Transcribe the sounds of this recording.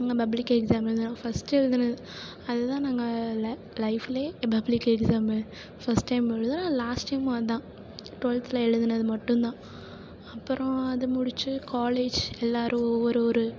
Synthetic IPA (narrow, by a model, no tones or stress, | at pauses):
nɐŋɡɐpɐblɪkːɛɡsaːmɛd̪ɯnãːfɐsʈɛɻɯðɯnɐðɯ | ɐðɐt̪ãːnɐŋɡɐl | lɐɪfɪleːpɐblɪkːɛksaːmɐ | fɐsʈːɐɪmɛɻɯðɯnãːlaːsʈɐɪmʋɐnd̪ãː | ʈɔlt̪ɪlɐɛɻɯðɯnɐðɯmɐʈːɯ̃nt̪ãː | ɐpːɯɾɔ̃ɐðɯmʊɽɪt͡ʃːɯkaːleːd͡ʒɛlːaːɾʔɯ̃ɔʋːɔɾɯɔɾɯ